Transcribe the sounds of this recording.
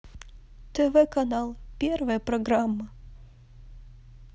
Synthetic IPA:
t̪ɛvɛkɐnalˠpʲervəjəpɾɐɡɾamːɐ

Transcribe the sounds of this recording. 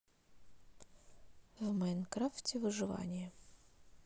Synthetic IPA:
vmajnkɾaftʲɪvɨʐɨva̰nʲɪjə

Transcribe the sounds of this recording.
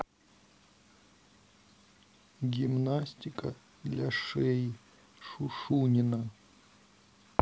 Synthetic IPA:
ɡʲimnasʲtʲɪkə | d̪lʲaʂɛj | ʂuʂunʲɪnə

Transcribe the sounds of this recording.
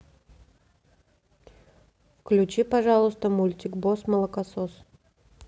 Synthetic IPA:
fklʲʉt͡ɕipɐʐalˠʊst̪əmulʲtʲɪkbosməlˠəkɐsos

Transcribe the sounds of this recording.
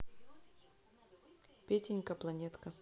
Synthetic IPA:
pʲetʲɪnʲkɐplˠɐnʲet̪kə

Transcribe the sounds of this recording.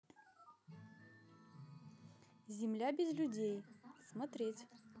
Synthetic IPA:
zʲɪmlʲabʲɪzlʲʊdʲejsmɐt̪ɾʲetʲ

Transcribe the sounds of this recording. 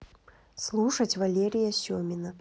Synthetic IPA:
slˠuʂɐt͡sʲvalʲeɾʲɪjɐsʲɔmʲɪnɐ

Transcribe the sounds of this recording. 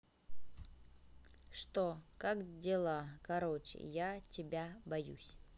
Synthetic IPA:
ʂt̪okakdʲelˠakɐɾot͡ɕɪ̰jatʲɪbʲabɐjṵsʲ

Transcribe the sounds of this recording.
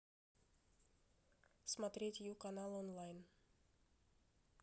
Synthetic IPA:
smat̪ɾit̪jukanalɔnlajn

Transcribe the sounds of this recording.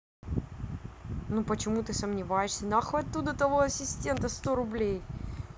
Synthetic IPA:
nupət͡ɕɪmut̪ɨsəmnʲɪvajɪʂsʲənaxɐt̪ːud̪ət̪ɐvoɐsʲɪsʲtʲe̞nt̪əst̪o̞ɾʊblʲej

